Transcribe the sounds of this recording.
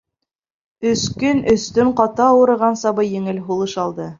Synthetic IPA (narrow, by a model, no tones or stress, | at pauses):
ɵ̆skɵnɵ̆st̪ɵɴqɑt̪ɑːwɤ̆ɾɤ̆ʁɑnsɑbɤjɘ̆ŋɘlɦulˠɤʃɑlˠd̪ɤ